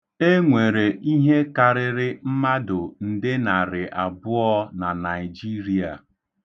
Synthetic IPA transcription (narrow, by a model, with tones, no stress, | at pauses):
e˦ŋʷe˨ɾe˨i˦ɦe˦ka˨ɾɪ˦ɾɪ˦m̩˦ma˦dʊ˨n̩˨dɪ˦na˨ɾɪ˨ʔa˨bʊ˦ɔ˦na˨na˨ɪ˨d͡ʒi˦ɾi˨a̰˨